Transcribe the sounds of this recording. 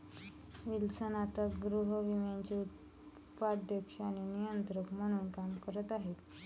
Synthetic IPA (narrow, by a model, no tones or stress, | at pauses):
ʋilsənat̪əɡɾuɦəʋimjaɲt͡ɕeut̪̚ | padd̪jəkʂañinijənt̪ɾəkm̤əɽ̃uːnkamkəɾət̪aɦet̪